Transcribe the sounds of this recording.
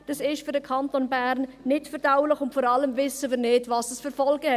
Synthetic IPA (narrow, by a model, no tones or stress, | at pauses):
d̥ɑsɪʃfyɾd̥əkʰɑntoːnbɛɾnːɪtfɛɾd̥aʊlɪxʊntfɔːɾɑləmvɪsəviːɾnɪdvɑsəsfəɾfɔlɡəhɛ